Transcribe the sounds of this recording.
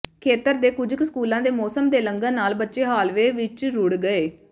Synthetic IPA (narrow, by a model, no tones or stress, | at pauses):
kʰeːt̪əɾd̪eːkʊd͡ʒəksəkuːlãːd̪eːmɔːsəmd̪eːləŋɡãːnaːlbətːʃeːɦaːlʋeːʋɪt͡ʃɾʊɽɡəeː